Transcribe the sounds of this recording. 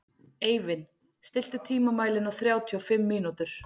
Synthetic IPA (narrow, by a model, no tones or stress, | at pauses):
eːjvɪn | st̪ɪl̥t̪ʏ̥t̪ʰiːmamaːjlɪnawθɾjaːwt̪ʰiɔfɪmːiːnut̪ʏɾ̥